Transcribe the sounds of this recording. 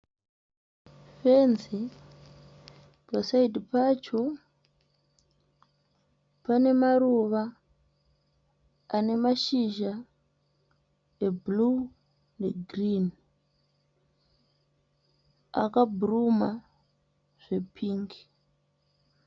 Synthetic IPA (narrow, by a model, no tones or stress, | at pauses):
fenzi | pasaidʱipat͡ʃo | pane̞maɾuʋa | ne̞maʃiʒa | eblu | neɡʱrin | a̰kabʱuruma | ʐ̥e̞pʰiːŋɡi̥